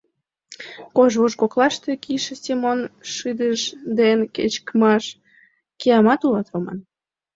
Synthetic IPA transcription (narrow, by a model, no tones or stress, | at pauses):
koʒβoʃkoklɑʃt̪ekiʃesʲemonʃɨd̪əʃd̪enket͡ɕkmɑʃ | keɑmɑt̪ulɑt̪omɑ̰n